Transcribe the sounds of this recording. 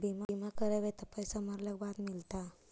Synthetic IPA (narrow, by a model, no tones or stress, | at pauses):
bʱimaimakəɾeʋet̪əpəjsaməɾlakbad̪milt̪a